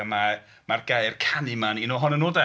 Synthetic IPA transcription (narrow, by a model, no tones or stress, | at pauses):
əma | marɡeɨrkʰanɨmaninoɦɔnənoːda